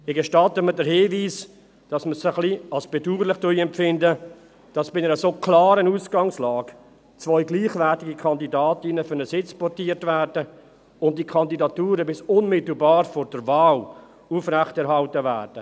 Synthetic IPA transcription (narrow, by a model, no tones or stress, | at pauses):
ɪɡɛʃtɑtəmədəɾhɪːviːs | d̥ɑsməsɪəχliɑlsb̥ɛduːɾlɪχtʊjɛmpfɪndə | d̥ɑsb̥ɪnɛɾəsoːkʰlɑːɾənuːsɡɑŋslɑːɡ̥ | t͡svœʏɡliːχvɛtɪɡikʰɑndidaːtɪnəfʏɾnəsɪt͡spɔɾtiːtvæːɾdə | ʊnt̚dikʰɑndidɑtuːɾəbɪsʊnmɪtl̩bɑːɾfɔɾdəɾvaːl | uːfrɛχtɛɾhɑltəvæːɾd̥ə